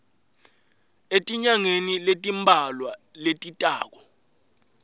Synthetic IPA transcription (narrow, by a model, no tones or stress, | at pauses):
etʼiɲaŋeniletʼimbʱalwaletʼitʼa̰ːk̬ɔ